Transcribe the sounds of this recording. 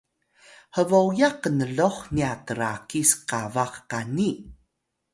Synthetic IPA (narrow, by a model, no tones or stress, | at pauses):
həvowjaqːənəɮoχniatəɾakisqavaχːani